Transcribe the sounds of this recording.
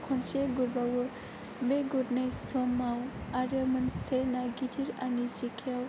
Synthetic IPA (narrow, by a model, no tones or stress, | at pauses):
kʰɔnseɡuɾbawɯ | beɡudnajsɔmawaɾɯmɯnsenaɡitʰiɾanisikʰijaw